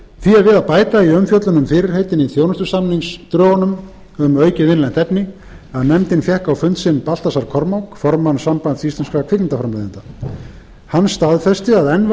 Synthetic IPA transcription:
θviaðvɪðaðpaːjt̪aiœmfjœt̪lʏnʏmfɪːɾɪɾ̥hejt̪ɪniθjownʏst̪ʏsamniŋst̪ɾœːɣanʏm | ʏmœːɥcɪvɪnlɛnt̪ɛpnɪ | aðnɛmt̪ɪnfjɛhkawfʏnt̪sɪnpal̥t̪asaɾ̥kʰɔɾmawkfɔɾmansampant̪θist̪ɛnskakʰvɪknɪnt̪afɾamaðɪnt̪a | hanːst̪aðfɛst̪ɪaðɛnv

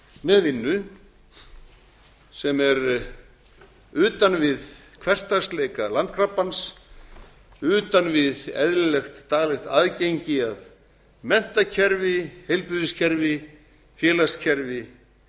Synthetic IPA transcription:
mɛðvɪnːʏ | sɛmɛɾ | ʏːt̪anvɪð | kʰvɛr̥t̪ast̪leːjkalant̪̚kʰɾapːans | ʏːt̪anvɪðɛ̰ðlɪlɛxt̪ːaːɣlɛxt̪aðcejɲcɪað | mɛn̥t̪acʰɛɾvɪhejlpʏðɪscʰɛɾvɪ | fjɛːlascʰɛɾvɪ

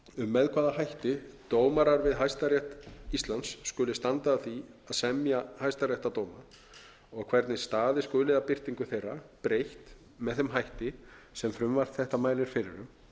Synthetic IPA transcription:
ʏmːɛðkʰvaːðahajht̪ɪt̪oːwmaɾaɾvɪðɦajst̪arjɛht̪ist̪lansːkʏlɪst̪ant̪aːθiaðsɛmjahajst̪arjɛht̪at̪oːwma | ɔɣkʰvɛɾt̪nɪst̪aːðɪskʏːlɪðapɪr̥t̪iŋkʏθejrapɾejht̪ | mɛðθɛmɦajht̪ɪsɛmfɾʏmvar̥t̪θɛht̪amaːjlɪɾ̥fɪɾɪ̰ɾʏm

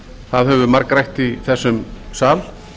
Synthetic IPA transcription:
θaðhɛvʏmaɾkɾajht̪iθɛsːʏmsaːl

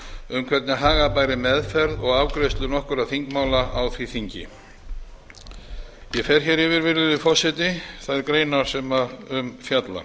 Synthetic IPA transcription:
ʏmkʰvɛt̪nɪɦaːɣapaːjɾɪmɛðfɛɾðɔɣawkɾejst̪lʏnɔhkʏɾaðθiŋkmaːwlaʔawθviθiɲcɪ̰ | jɛfɛɾ̥çɛɾɪvɪɾvɪɾlɪðɪfɔsɪt̪ɪθaðɛɾkɾeːjnaɾ̥sɛmaʏmfjat̪la̰

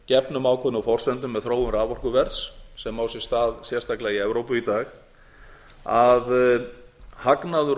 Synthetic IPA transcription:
cɛpnʏmaːwkʰɔnafɔr̥sɛnt̪ʏmːɛðθɾoːwʏmɾaːvɔr̥kʏvɛɾt̪ssɛmawsjɛ̥st̪aːðsjɛr̥t̪aklaiɛvɾowpʏit̪aːx | að | haknaðʏɾ

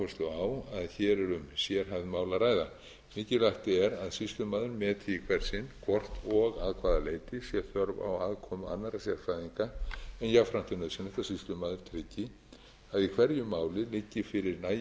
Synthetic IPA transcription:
ʏst̪ɔawaðçɛːɾɛɾʏmsjɛɾ̥ɦavðmaːwlaɾaːjða | mɪːcɪlaht̪ɪɛɾaðsist̪lʏmaːðʏɾmɛːt̪ʰɪkʰvɛɾ̥sɪnkʰvɔr̥t̪ɔɣaðkʰvaːðaleːjt̪ɪsjɛθœɾva̰waðkʰɔːmʏa̰nːaɾasjafajðiŋkaɛnjaɣfɾam̥t̪ɪnœðsjɛnɛht̪ːasist̪lʏmaːðʏɾ̥t̪ʰɾɪcːɪ | aðikʰvɛɾjʏmaːwlɪlɪcːɪfɪɾɪɾnaː

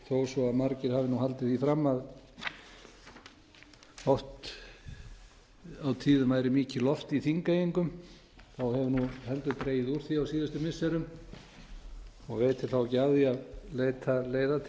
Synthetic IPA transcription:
θoːwsɔaðmaɾcɪɾ̥haːvɪnuɦalt̪ɪθifɾamːað | hɔht̪ | awt̪ʰiːðʏmajɾɪmiːcɪlɔft̪iθiŋkajiŋkʏm | θawhɛvʏnuhɛnt̪ʏt̪ɾeːjɪðuɾ̥θiawsiːðast̪ʏmɪsɛɾʏm | ɔɣvejt̪ʰɪlθawcaːðiaðleːjt̪ʰaleːjðat̪ʰ

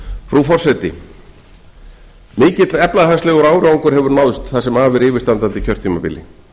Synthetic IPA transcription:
fɾufɔr̥sɛt̪ɪ | mɪːcɪt̪lɛplaðhast̪ɛːɣɔɾaːwɾawŋkʏɾ̥ɦɛvʏɾnawðʏst̪θasɛmaːvɪɾɪːvɪɾ̥st̪ant̪ant̪ɪcʰœr̥t̪ʰːimapɪ̰lɪ̰

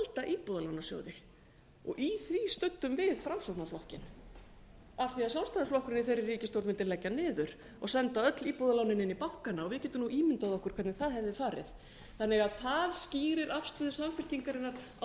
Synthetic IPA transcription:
alt̪aʔiːpɔðalawnasjo̰ːwðɪ | ɔ̰ɣʔiθvist̪ʏt̪ːʏmvɪðfɾamsowt̪naflɔhcɪn | avθiaðsalst̪aðasflɔhkʏɾɪnɪθejɾɪrːiːcɪst̪owɾt̪vɪlt̪ɪlɛcːanɪːðʏɾ̥ | ɔɣsɛnt̪aœt̪liːpɔðalawnɪnɪnːipawhkanːaɔɣvɪðcɛːt̪ʏmnuʔiːmɪnt̪aðɔhkʏɾ̥kʰvɛɾt̪nɪθaðhɛvðɪfaːɾɪ̰ð | θanːɛɣaðθaðsciːɾɪɾafst̪œːðɪsamfɪl̥ciŋkaɾɪnːaɾ

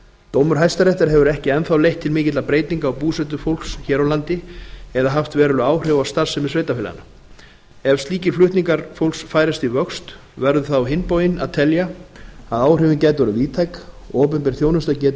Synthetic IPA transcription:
t̪owmʏɾ̥ɦajst̪aɾɛht̪aɾ̥ɦɛvʏɾɛhcɪɛnθawlejht̪ʰːɪlmɪːcɪt̪lapɾeːjt̪niŋkaɔwpuːsɛt̪ʏfowl̥ksçɛːɾawlant̪ɪɛðaɦaft̪vɛːɾʏlʏaːwr̥ʏvawst̪aɾ̥sɛmɪsvejt̪afɪla̰na | ɛvst̪iːcɪflʏht̪niŋkaɾfowlsfaːjɾast̪ivœkst̪ | vɛɾðʏθaawɦɪnpoːwjɪnat̪ʰɛljaaðaːwrʏvɪncɛːjt̪ɾaviːt̪ʰajk | ɔːp̬ʏmpɪɾ̥θjoːwnʏst̪acɛːt̪

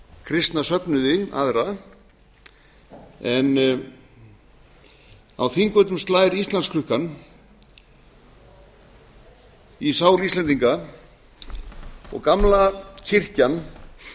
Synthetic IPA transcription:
kʰɾɪst̪nasœpnʏðɪa̰ðɾa | ɛn | a̰wθiŋkœt̪ʏmst̪laːjɾist̪lanskʰlʏhkan | isaːwlist̪lɛnt̪iŋka | ɔ̰ɣkamlacʰɪr̥can

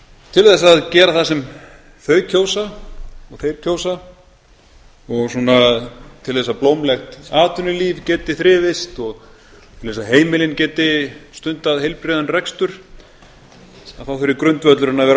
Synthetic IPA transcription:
t̪ʰɪlθɛs̬aðcɛːɾaθasɛm | θœːɥcʰoːwsaɔɣθeːjɾ̥cʰoːwsa | ɔɣsunat̪ʰɪlθɛsːaplowmlɛxt̪aːt̪ʏnʏliːvcɛːt̪ɪθɾɪːvɪst̪ɔɣ | t̪ʰɪlθɛsaɦeːjmɪlɪncɛːt̪ɪst̪ʏnt̪aðhejlpɾɪðanrɛkst̪ʏɾ̥ | aðθawfɪɾɪɾkɾʏnt̪vœt̪lʏɾɪnːavɛːɾ

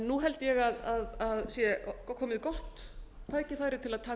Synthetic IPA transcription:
nːuɦɛlt̪ɪjɛɣaðaðaðsjɛkʰɔːmɪðkɔht̪ | t̪ʰaːjcɪθajɾɪt̪ʰɪlaðt̪ʰaː

